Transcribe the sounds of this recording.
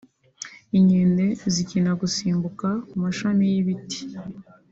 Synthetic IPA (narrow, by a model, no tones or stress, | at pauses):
iɲende̞zicinaɡusiːmbukakumaʃamijiβiti̥